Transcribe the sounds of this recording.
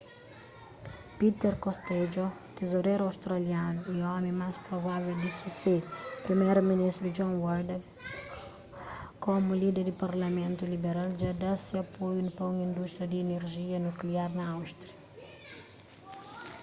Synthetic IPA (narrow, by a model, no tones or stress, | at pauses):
pit̪ɛɾkost̪ɛd͡ʒot̪ezoɾejɾawst̪ɾaljanuiɔmẽmaspɾovaveld̪isuseɾpɾimɛjɾminiʃt̪ɾud͡ʒɔ̃nwɔɾd̪e | komulid̪eɾd̪ipaɾlɐmẽnt̪ulibeɾald͡ʒad̪asiapojunupõŋĩnd̪uʃt̪ɾijɐd̪iːneɾʒiɐnukliaɾnɐawʃt̪ɾiɐ